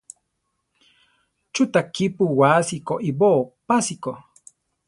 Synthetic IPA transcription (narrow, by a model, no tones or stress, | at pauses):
t͡ʃut̪akipuwaːsikoʔiboːpasiko